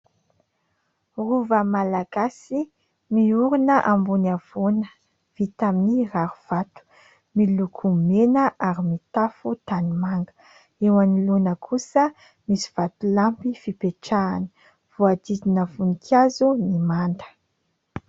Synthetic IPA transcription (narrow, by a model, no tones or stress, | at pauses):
ruvəmalaɡ̥asi | miuɾunəʔambunav̥onə | v̥it̪aminiraɾuv̥at̪u̥ | milukʰumenəʔaɾimit̪afut̪animaŋɡə̥ | ewanilunəkʰusə | misi̥v̥at̪ulampifipeʈ͡ʂaːni̥ | v̥oad̪id̪inəvunikʰazunimand̪ə̥